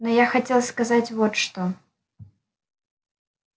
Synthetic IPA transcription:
nɔjaxat͡sʲelˠskazat͡sʲvɔt̪ʂt̪ɔ

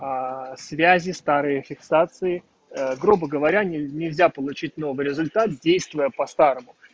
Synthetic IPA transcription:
svʲæzʲɪst̪aɾɨjəfʲɪksat̪sɨɪ | ɡɾubəɡəvɐɾʲanʲɪnʲɪlʲzʲapəlˠʊt͡ɕit̚ʲno̞vɨjɾʲɪzʊlʲt̪at̪̚dʲejst̪vʊjəpɐst̪aɾəmʊ

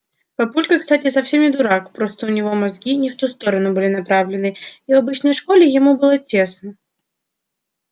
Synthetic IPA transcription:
pɐpulʲkəxkst̪atʲɪsɐfsʲe̞mnʲɪd̪ʊɾakpɾo̞st̪əʊnʲɪvo̞mɐzɡʲinʲɪft̪ust̪o̞ɾənʊbɨlʲɪnɐpɾavlʲɪnɨivɐbɨt͡ɕnəjʂko̞lʲɪjɪmubɨlˠətʲe̞snə

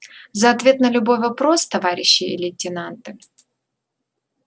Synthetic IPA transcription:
zəɐt̪vʲet̪̚nəlʲʊbo̞jvɐpɾo̞st̪ɐvaɾʲɪɕːɪɪlʲɪtʲɪnant̪ɨ

